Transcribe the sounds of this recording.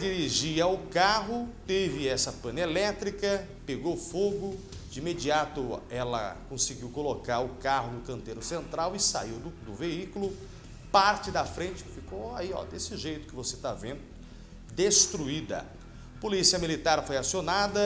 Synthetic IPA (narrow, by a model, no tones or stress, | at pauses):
d͡ʒiɾiʒiɐʊkaɦʊt̪evɪɛsɐpɐ̃nelɛt̪ɾikɐ | peɡowfoɡʊ | d͡ʒɪĩmed͡ʒiat̪ʊɛlɐ̰kõsɪɡiwkolokaɾʊkaɦʊnʊkɐ̃nt̪eɾʊsẽnt̪ɾawɪsa̰iwd̪ʊd̪ʊveikulʊ | paɾt͡ʃɪd̪ɐfɾẽt͡ʃɪ̥fikowaiɔ̰d̪esɪʒejt̪ʊ̥kɪvoset̪avẽnd̪ʊ | d̪est̪ɾuid̪ɐ̰ | polisiɐmilit̪aɾfojasionad̪ɐ